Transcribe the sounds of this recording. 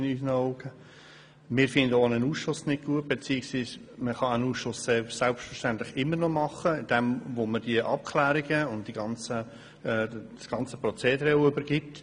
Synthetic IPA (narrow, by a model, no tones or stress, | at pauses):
ɪnyːsnəɔʊɡ̥ə | mɪːɾfɪnd̪əonənuːsʃʊsnɪt̚ɡ̥uət̚b̥et͡siːɪksʋiːsməχɑænuːsʃʊsːesɛlpsʃtfə̥ʃtænt̪lɪχɪmːərnɔmɑχəɪd̥ɛmvoməd̥iəʔɑp̚kʰlæːɾiɡəʊntd̥iɡɑnt͡sə | ɛ̥ː | sɡ̥ɑnt͡sə̥prɔt͡seːd̪əɾɛʊʏbəɾɡɪt